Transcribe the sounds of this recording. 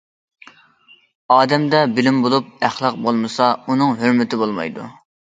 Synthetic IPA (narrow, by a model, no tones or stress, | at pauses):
ɑːd̪ɛmd̪ɛbɪlɪmbolˠup̚æχlˠɑq̚bolˠmɨsɑunɨŋɦøɾmɪt̪ʰɪbolˠmɑ̰jd̪ṵ